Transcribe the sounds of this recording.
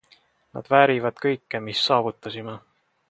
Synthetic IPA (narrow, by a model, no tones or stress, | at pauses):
nɑ̰d̪̥væːɾivɑd̪̥kɤjkːemisːɑːvut̪ːˑɑsime